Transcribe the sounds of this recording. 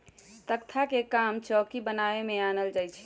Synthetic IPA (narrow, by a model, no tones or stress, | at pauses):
t̪əkt̪ʰakekamt͡ʃɔkibənaemeanəld͡ʒajt͡ʃʰɛ̥